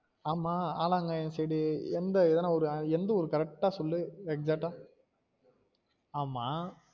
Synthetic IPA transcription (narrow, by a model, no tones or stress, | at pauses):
aːmaːaːlaːŋɡɐɛnːsɛjɽɯɛnd̪ɐɛðɛːnːaːɔɾɯɛnd̪ɐɔɾɯkɐɾɛk̚ʈaːsɔlːɯɛksaːk̚ʈːaː | aːmːaː